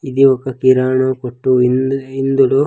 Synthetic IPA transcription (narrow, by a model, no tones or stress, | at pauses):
id̪iʋɐkːɐkiɾaːɳokoʈːuind̪ulu